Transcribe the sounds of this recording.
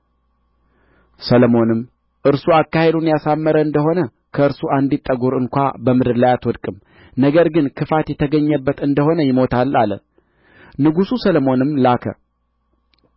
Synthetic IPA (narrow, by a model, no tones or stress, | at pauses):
sələmo̞nɨmː | ʔɨɾsuakːahe̞d̪unjasamːəɾəɨnd̪əɦo̞nə | kʰəɨɾsuʔand̪it̪ʼːəɡuɾɨŋkʷa̰bəmɨd̪ɨɾlajat̪wɔd̪kʼɨm | nəɡəɾɡɨnkʰɨfat̪jɛt̪ʰəɡəɲːəbːət̪ɨnd̪əɦo̞nəjɪmo̞t̪ʰalalə̰ | nɨɡususələmo̞nɨmːlakʰə̰